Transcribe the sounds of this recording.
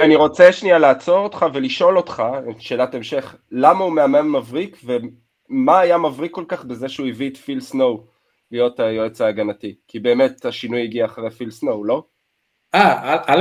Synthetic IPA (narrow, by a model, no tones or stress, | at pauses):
aniʁo̞t͡seʃnialaːt͡so̞ʁot̪χave̞liʃo̞lo̞tχaʃe̞ːlatae̞mʃe̞χ | lamaumeamanmavʁikve̞ | maːjamavʁikːo̞lkaχbeze̞ʃeuivitfilsno̞w | lijo̞tajoet͡saːɡanatikibe̞ːme̞taʃinujiɡiaːχʁefilsnowlo̞ | aa